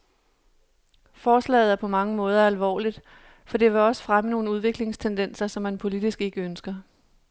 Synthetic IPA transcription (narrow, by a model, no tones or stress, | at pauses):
fɒːslɛ̰ɪð̞̩ˠæɐpʰɒ̽mɑ̈ŋəmɔ̽ːð̞ˠɐælʋɒ̰ːlid̥ | fɒ̽d̥e̝ʋe̝ɒ̽sə̥fʁaməno̝ːn̩əuð̞ˠʋe̝ɡ̥le̝ŋst͡sʰend̥en̰sɐsɒ̽mːænpʰo̝lid̥isɡ̥e̝ɡ̥əønsɡ̥ɐ